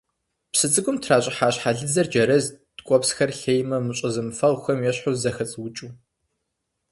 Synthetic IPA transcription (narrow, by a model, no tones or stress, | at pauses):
psɨt͡sʼɨɡʷʼʊmtʰraːɕʼɪħaːɕħaɮɨzɐrd͡ʒɐɾɐz | tkʷʼɔpsxɐrɬejmɐmɨɕʼɐzɨmfɐʁxʷɐmjɛɕħʊzɐxɐt͡sʼwt͡ʃʼuː